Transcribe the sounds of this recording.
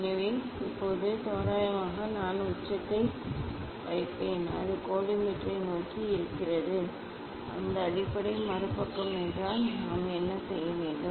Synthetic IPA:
nɐʋeː | ɪpːoːðɯt̪oːɾaːjɐmaːɣɐnaːnʊʈːɐt̪ːɐɪ | ʋɐɪpːeːnɐ̰ðɯkoːɽɪmɪʈrɐɪnoːkiɪɾɯkːɪrɐðɯ | ʔɐ̰nd̪ɐːɽɪpːɐɽɐɪmɐɾɯpːɐkːɯmɛndraːlnaːmɛnːɐsɛjːɐʋeːɳɖɯ

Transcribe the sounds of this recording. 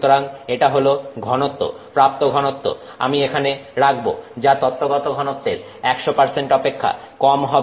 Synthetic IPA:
t̪oɾaŋeʈaɦoloɡʱɔnot̪ːo̰ | pɾap̚t̪oɡʱɔnot̪ːo̰ | a̰miekʰaneɾaɡbo̰d͡ʑat̪ɔt̪ːoɡɔt̪oɡʱɔnot̪ːeɾ | ɛkʃopaɾseɳʈɔpekʰːa̰ | kɔmɦɔ

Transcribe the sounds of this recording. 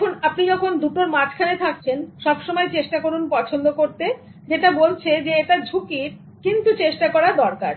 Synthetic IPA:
kʰunapnid͡ʑɔkʰond̪uʈoɾmat͡ɕʰkʰanet̪ʰak̚t͡ɕʰenʃɔbʃomɔet͡ɕeʃʈakoɾunpɔt͡ɕʰond̪okoɾt̪e | d͡ʑeʈabolt͡ɕʰed͡ʑeeʈad͡ʑʱukiɾ | kint̪ut͡ɕeʃʈakɔɾad̪ɔɾkaɾ

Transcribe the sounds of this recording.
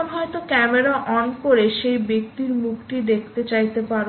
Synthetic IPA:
ɦɔet̪okɛmeɾaʔɔnkoɾeʃejbek̚t̪iɾmukʰʈid̪ekʰt̪et͡ɕajt̪epaɾ

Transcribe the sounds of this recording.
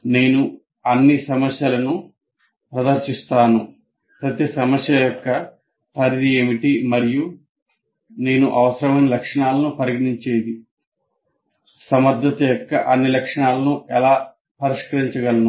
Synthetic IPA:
ne̞ːnu | ɐnːisɐmɐsjɐlɐnu | pɾɐd̪ɐɾʂist̪aːnu | pɾɐt̪isɐmɐsjɐjɔkːɐ | pɐɾid̪ieːmiʈimɐɾiju | ne̞ːnuʔɐʋɐsɐɾɐmɐjnɐlɐkʂɐɳaːlɐnupɐɾiɡɐɳiɲt͡ʃe̞ːd̪i | sɐmɐɾd̪ʱːɐt̪ɐjɔkːɐ̰ʔɐnːilɐkʂɐɳaːlɐnuʔɛlaː | pɐɾiʂkɐɾiɲt͡ʃɐɡɐlɐnu

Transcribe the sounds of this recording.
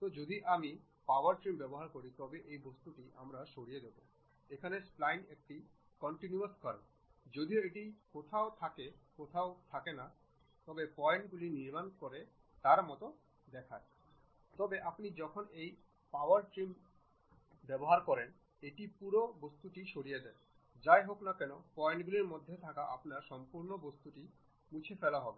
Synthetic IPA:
t̪od͡ʑod̪iʔami | pawaɾʈɾimbɛboɦaɾkoɾit̪ɔbeʔejbost̪uʈiʔa̰mɾaʃoɽijed̪ebo̰ | ekʰanesplajnek̚ʈi | kɔɳʈinuaskɔɾ | d͡ʑod̪ioeʈikot̪ʰaot̪ʰakekot̪ʰaot̪ʰakena | t̪ɔbepɔeɳʈɡuliniɾmankoɾe | t̪aɾmɔt̪o | d̪ɛkʰae | t̪ɔbeʔapnid͡ʑɔkʰonej | pawaɾʈɾim | bɛboɦaɾkɔɾen | eʈipuɾobost̪uʈiʃoɽijed̪ɛe | d͡ʑaeɦoknakɛnopɔjeɳʈɡuliɾmod̪ʱːet̪ʰakaʔa̰pnaɾʃɔmpuɾnobost̪uʈi | mũt͡ɕʰefelaɦɔbe

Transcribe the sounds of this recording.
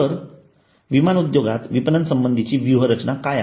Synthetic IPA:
əɾ | ʋimanud̪joɡa̰t̪ʋipnənsəmbənd̪ʱit͡ɕiːʋjuɦəɾət͡ɕnakaja

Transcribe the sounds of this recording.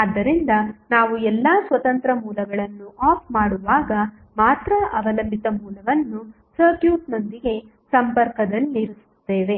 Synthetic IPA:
ɐd̪ːɐɾind̪ɐnaːʋuɛlːaːsʋɐt̪ɐnt̪ɾɐmuːlɐɡɐɭɐnːuʔaːpʰmaːɽuʋaːɡɐ | maːt̪ɾɐʔɐʋɐlɐmbʱit̪ɐmuːlɐʋɐnːu | sɐɾkjuːʈno̞nd̪iɡe̞ | sɐmpɐɾkɐd̪ɐlːiɾusu̥t̪ːe̞ːʋe̞

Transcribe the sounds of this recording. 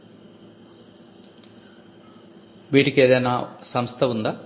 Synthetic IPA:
ʋiːʈikʲːeːðɐnasɐmst̪ʰɐʋund̪ɐ

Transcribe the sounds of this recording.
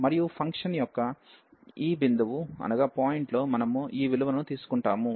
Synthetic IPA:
mɐɾijupʰɐŋkʂɐnjɔkːɐ | iːbind̪uʋuɐ̰nɐɡaːpaːjiɳʈlo̞ːmɐnɐmuiːʋiluʋɐnɐnut̪iːsu̥kuɳʈaːmu

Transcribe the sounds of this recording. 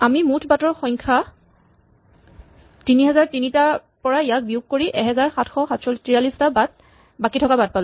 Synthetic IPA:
amimutʰbatɔɹxɔjŋkʰa | tiniɦɛzaɹtinita | pɔɹaijak̚biuɡ̚koɹiʔɛɦɛzaɹxatʰxɔxatʰsɔltiɹalistabat̚ | bakitʰɔkabat̚palʊ

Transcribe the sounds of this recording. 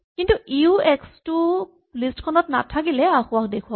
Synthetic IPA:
kintuiuɛkstʊ | listkʰɔnɔtna̰tʰak̬ilɛakʊwak̚dekʰuwa

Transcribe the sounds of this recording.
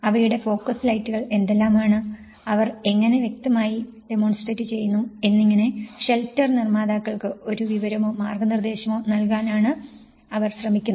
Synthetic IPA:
ɐʋɐjuɽe̞fo̞ːkːɐslɐjtːuɣɐɭe̞nd̪elːaːmaːɳɨ | ɐʋɐre̞ŋːɐne̞ʋje̞k̚t̪ɐmaːji | ɖe̞mo̞ːnsʈreːtːɨt͡ɕe̞jːunːue̞nːiŋːɐne̞ɕe̞ltːɐrnirmaːd̪aːkːɐɭkɨo̞ɾuʋiʋɐɾɐmo̞ːmaːrɡɐnird̪e̞ːɕɐmo̞ːnɐlkaːnaːɳɨ | ɐʋɐrɕrɐmikʲːunːɐ

